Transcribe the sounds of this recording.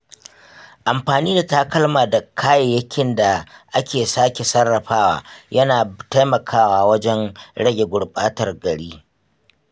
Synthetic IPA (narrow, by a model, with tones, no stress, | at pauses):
ʔa˨mɸaː˨niː˦da˨ta˦kɐ˦lmaː˨da˨kʰaː˦je˨jɐ˦kʲɪ˨nda˨ʔa˦kʲʰeː˨saː˦kʲe˨sɐ˦rːɐ˨ɸaː˦wa̰ː˨jʔɐ˦naː˨ta˦jmɐ˨kʰaː˦waː˦wɐ˦d͡ʒɛ˦nɽɐ˦ɡʲe˨ɡʷʊ˨ɽɓʼaː˦tɐ˨rɡɐ˨ɽiː˦